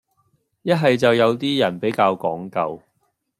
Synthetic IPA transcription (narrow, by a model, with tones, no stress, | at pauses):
jɐ˥t̚ɦɐ˨jt͡sɐ˨wjɐ˨˧wt̪iː˥jɐ˨˩npe˨˥jkaː˧wkɔː˨˥ŋkɐ˧w